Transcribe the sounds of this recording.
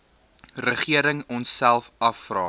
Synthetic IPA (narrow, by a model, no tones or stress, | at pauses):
rəχiəɾəŋɔnsːælˠfɐfrɑː